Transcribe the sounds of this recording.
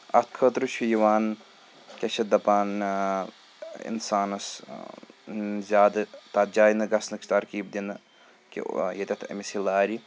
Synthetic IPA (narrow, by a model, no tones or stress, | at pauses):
ɐ̰t̪̚kʰəːt̪ɾɨʃʰujiʋaːn | kʲɐʃʰɐd̪ɐpaːn | ḭnsaːnɐs | zʲaːd̪ɨt̪ɐt̪̚d͡ʒaːjnɨɡɐsnɨkʰt̪ɐɾkiːb̚d̪inɨ | kḭjɐt̪ʲɐt̪ʰɐ̰misilaːɾi